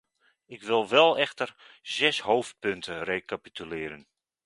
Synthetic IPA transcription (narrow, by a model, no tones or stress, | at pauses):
ɪkʋɪlˠʋɛlˠɛxtər | z̥ɛshoːft̚pøntʰərejkapitʰylɪːəɾən